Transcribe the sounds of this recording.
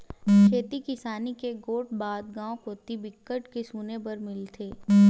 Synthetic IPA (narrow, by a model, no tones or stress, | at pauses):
kʰeːt̪ikɪsaːnikeɡoːʈ̚baːd̪̚ɡãːõkot̪ibɪkːəʈkesuːnepɐɾmɪlt̪ʰeː